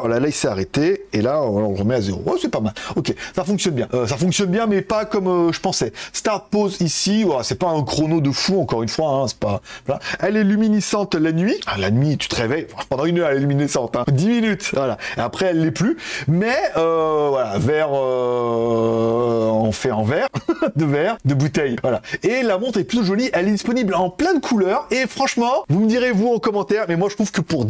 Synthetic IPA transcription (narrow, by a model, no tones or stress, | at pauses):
alalaisɛaʁet̪eelaalɔ̃lʁəmɛazeʁo̰wɛsɛpamalɔkʲesafɔ̃ksjɔnbjɛ̃ʔøsafɔ̃ksjɔnbjɛ̃mɛpakɔmøʒəpɑ̃sɛst̪aʁt̪̚pozisivalasɛpaɛ̃kχonod̪əfuɑ̃kɔʁynfwaɛ̃sɛ̥paplãɛlɛlyminisɑ̃t̪lanɥiɛ̃lanɥit̪y̥t̪əʁevɛjfɛ̃pɑ̃d̪ɑ̃ynœʁɛlɛlyminisɑ̃t̪ɛ̃d̪iminyt̪vwalaeapχɛɛlːɛplymɛøvwalavɛʁø | ɑ̃fɛɑ̃vɛʁd̪əvɛʁd̪əbut̪ɛjvwalaelamɔ̃t̪χɛplyt̪oʒɔliʔɛlɛd̪ispɔniblɑ̃plɛ̃d̪əkʰulœːʁefχɑ̃ʃmɑ̃vuməd̪iʁevuɑ̃kɔmɑ̃t̪ɛʁmɛmwaʒət̪χuv̥kəpuʁ